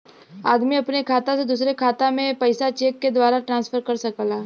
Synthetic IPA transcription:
aːd̪miɐpnekʰaːt̪ãsed̪uːsɾekʰaːt̪amẽpɐɪsat͡ʃeːkːed̪waːɾaʈɾãːnsfʰəɾkɐɾsɐkəlaː

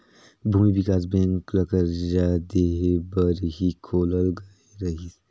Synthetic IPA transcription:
bʱuːmibikaːzbẽːŋkləkəɾzaːd̪eɦbəɾɦikʰoːləlɡɐeɾɐɦis

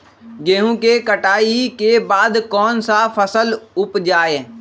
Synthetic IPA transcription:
ɡeːɦũkekəʈaːikebaːd̪kɔːnsafʰəsəlʊpd͡ʒaːeː

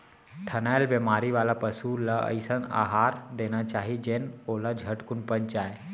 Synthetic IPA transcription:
ʈ̪ʰənajlbemaɾiʋalapəsulaə̰jsəna̰ɦaɾd̪enat͡ʃaɦid͡ʒenolad͡ʒʱəʈkunpəɲd͡ʒaːe

